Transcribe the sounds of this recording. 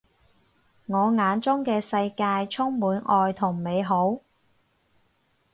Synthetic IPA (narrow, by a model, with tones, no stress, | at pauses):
ŋɔː˨˧ŋaː˨˧nt͡sʊ˥ŋkɛː˧sɐ˧jkaː˧jt͡sʰʊ˥ŋmuː˨˧˥nɔː˧jt̪ʰʊ˨˩ŋme˨˧jɦo˨˥w